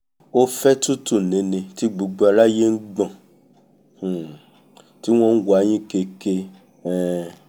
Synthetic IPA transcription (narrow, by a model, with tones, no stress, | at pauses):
o˦fɛ˦tu˦tu˦˨nĩ˨˧˦nĩ˧ti˦ɡ͡bu˨˧ɡ͡bo˨˦a˧la˦je˦n̩˦ɡ͡bã˦˨ | ti˦w̃ɔ̃˦n̩˦wa˨˦j̃ĩ˦ke˧ke˧ | ɛ˦˨